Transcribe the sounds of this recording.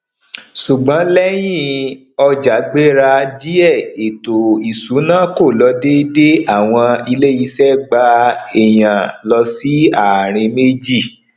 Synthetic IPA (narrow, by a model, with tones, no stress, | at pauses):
su˨ɡ͡bã˨˦lɛ˦j̃ĩ˦˨ | ɔ˧d͡ʒa˨˦ɡ͡be˦ɾa˧d͡ʒi˦ɛ˦˨e˨to˨i˨su˨˦nã˦ko˦˨lɔ˨˧˦de˦de˦a˦˨w̃ɔ̃˧i˧le˦ji˧˦sɛ˦ɡ͡ba˧e˨j̃ã˨lɔ˧si˨˦a˦˨ɾ̃ĩ˧me˦d͡ʒi˦˨